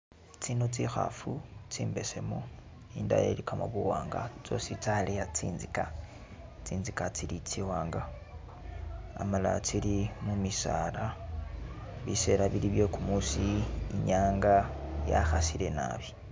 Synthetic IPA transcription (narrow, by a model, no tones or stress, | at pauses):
t͡sinot͡sixa̰fut͡siːmbe̞se̞mo | inda̰jḛlikamoβuwaːŋɡa̰t͡so̞sit͡salejat͡siːnzika | t͡siːnzikat͡silit͡siwaːŋɡa | amala̰t͡silimumisala | βise̞ɾaβiliβjo̞kumusiːɲaːŋɡaja̰xasile̞na̰βi̥